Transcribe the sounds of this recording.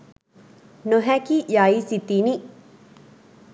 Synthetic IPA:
noɦæːkijaːjisit̪ːini

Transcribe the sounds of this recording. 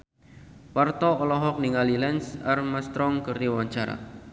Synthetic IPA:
wart̪ɔɔlɔɦɔk̚niŋalilɛnsarmast̪ɾɔŋkɨrd̪iwaɲt͡ʃaɾa̰

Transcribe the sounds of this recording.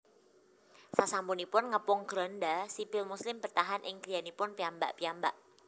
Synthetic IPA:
sasampunipʊnŋəpʊŋɡ̥ɾɔndasipɪlmuslɪmpərt̪aɦanʔɪŋkɾijanipʊnpiamba̰ʔpiambaʔ

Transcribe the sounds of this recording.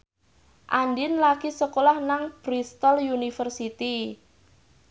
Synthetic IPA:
ʔandɪnlakisəkolahnaŋb̥ɾist̪ɔljunifərsit̪i

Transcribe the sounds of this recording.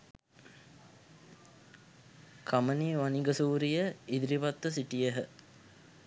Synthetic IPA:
kʰaməniːʋaniɡəsuːɾijəid̪iɾiʋat̪ːəsiʈijəɦə

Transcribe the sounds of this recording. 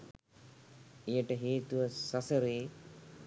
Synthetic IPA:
ejəʈəɦeːt̪uʋəsasəɾeː

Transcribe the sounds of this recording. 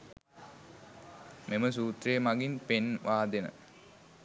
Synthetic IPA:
meməsuːt̪ɾejəmaɡinpenʋaːd̪enə̰

